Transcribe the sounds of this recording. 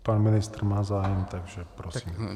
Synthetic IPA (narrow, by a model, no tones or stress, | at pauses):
paːnminist̪ɾmaːzaːjɛmt̪aɡʒɛpɾɔsiːm